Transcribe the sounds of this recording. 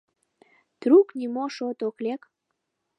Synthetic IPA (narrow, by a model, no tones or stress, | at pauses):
t̪ɾuknʲimoʃot̪oklek